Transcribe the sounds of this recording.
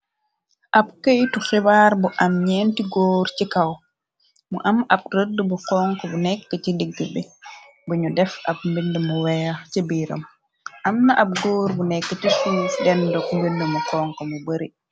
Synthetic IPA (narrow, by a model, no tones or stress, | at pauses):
ʔab̚kejtuxɛbaɾbɔʔamɲentiɡoːɾt͡ʃikaw | mɔʔamab̚ɾədːubɔkɔŋkɔbɔnɛkːatidiɡːɛbɛ | buɲudɛfa̰b̚mbindɛmɔwɛat͡ʃebiɾa̰m | ʔamnaʔab̚ɡoːɾbunɛkːatisuːfɗɛndɔkmbindumɔkɔŋkɔmɔbəɾi